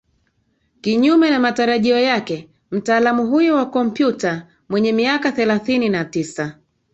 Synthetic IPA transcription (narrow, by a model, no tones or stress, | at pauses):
kiɲumɛnamataɾaʄiɔjakɛ | m̩taːlamuɦujɔwakɔm̩pjuta | mwɛɲɛmiakaθɛlaθininatisa